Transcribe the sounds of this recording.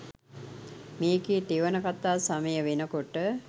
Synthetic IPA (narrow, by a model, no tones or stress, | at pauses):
meːɡiːt̪iʋənəkat̪aːsaməjəʋenəkoʈə